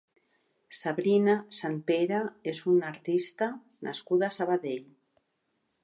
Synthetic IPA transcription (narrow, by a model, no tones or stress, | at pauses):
saβɾinasampeɾaesunaɾt̪ist̪a | nʔa̰skuðasaβaðeʎ